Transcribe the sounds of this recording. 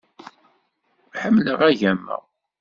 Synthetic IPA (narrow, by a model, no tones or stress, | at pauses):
ħəmːləʁæʝæmːə̰ʁ